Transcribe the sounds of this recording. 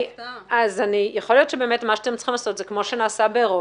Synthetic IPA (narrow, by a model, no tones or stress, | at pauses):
azanijaχolijo̞tʃebe̞ːmetmaʃatemt͡sχimlaso̞tzekmo̞ʃenaːsabeːʁo